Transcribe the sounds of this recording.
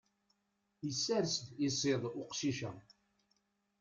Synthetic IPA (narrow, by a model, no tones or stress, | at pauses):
jəsːæɾsd̪isˤeðˤʊqʃiʃæ